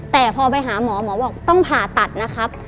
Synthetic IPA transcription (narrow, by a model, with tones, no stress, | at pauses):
t̪ɛː˨˩pʰɔː˧p̬a˧jɦaː˩˦mɔː˩˦mɔː˩˦bɔː˨˩k̚t̪ɔ˥˩ŋpʰaː˨˩t̪a˨˩t̪̚na˦˥kʰa˦˥p̚